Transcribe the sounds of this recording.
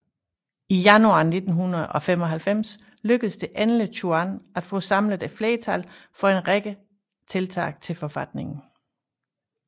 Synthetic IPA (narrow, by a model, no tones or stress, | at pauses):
ijænuɑ̰̈ːne̝d̥n̩ɦunɐð̩ˠʔɒ̽fem̰ɒ̽ɦælfem̰s | løɡ̥əð̩ˠsd̥e̝ʔænlət͡ɕʰuænæd̥fɔ̰̽ːsɑ̈mləð̩ˠæfleːt͡sʰælfɒ̽e̝nʁeɡ̥ə | t͡sʰe̝lt͡sʰɑ̰̈ːɡ̥̚t͡sʰe̝lfɒ̽fæd̥ne̝ŋn̩